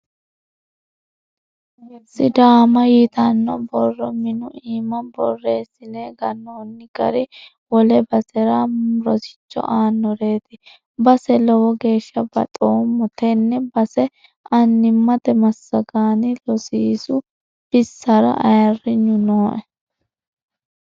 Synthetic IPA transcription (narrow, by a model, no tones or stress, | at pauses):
sɪd̪aːmɐjit̪ɐnːɔbɔrːɔmɪnʊiːmɐnbɔ̰rːe̞ːsːɪneːɡɐnːoːnːɪɡɐ̰ɾɪ | wɔlɛbɐsɛɾaɾɔsɪ̥t͡ʃːɔ̰ʔaːnːɔɾe̞ːt̪ɪ | bɐsɛlɔwɔɡe̞ːʃːɐbɐ̰t̪ʼoːmːɔt̪ʰɛnːɛbɐsɛ | ʔɐnːɪmːɐt̪ɛmɐsːɐɡaːnɪlɔsiːsʊ | b̥ɪsːɐɾɐ̰ʔɐ̰jɐrːɪɲːʊnoːʔɛ